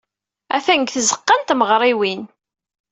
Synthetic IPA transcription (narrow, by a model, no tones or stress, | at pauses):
æθæŋɡθəzəqːənt̪məʁɾˤiwin